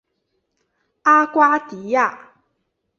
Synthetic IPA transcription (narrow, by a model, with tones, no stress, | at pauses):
ʔa˦kʷwa˦t̪i˨ja˦˨